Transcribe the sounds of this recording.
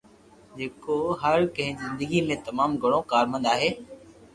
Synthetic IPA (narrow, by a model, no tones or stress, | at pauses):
d͡ʑeːkoɦɐɾkɐ̃ɦɪ̃zɪ̃nd̪əɡimẽt̪ɐmaːmɡʱɐɽ̃õkaːɾmə̃nd̪aːɦeː